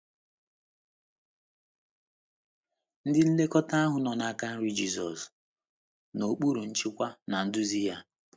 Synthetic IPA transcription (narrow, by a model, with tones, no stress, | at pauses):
n̩˦dɪ˦n̩˦le˦kɔ˦ta˦a˦ɦʊ˨nɔ˨na˨a˦ka˦n̩˦ɾi˦d͡ʒi˦zɔ̰˨s | no˨k͡pu˦ɾu˨n̩˦t͡ʃɪ˦kʷa˦na˨n̩˦dʊ˦zi˦ja˦